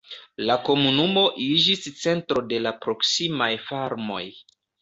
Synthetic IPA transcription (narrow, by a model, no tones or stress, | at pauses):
lako̞munumo̞ʔid͡ʒist͡se̞ntɾo̞de̞lapɾo̞ksimajfaɾmo̞̰j